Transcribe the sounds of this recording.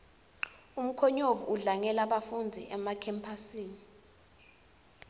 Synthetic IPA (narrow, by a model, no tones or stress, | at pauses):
um̩kʰɔɲovṵʔuɮaŋɛlaɓafund͡zʱḭʔɛmakʰɛmpʰasiːni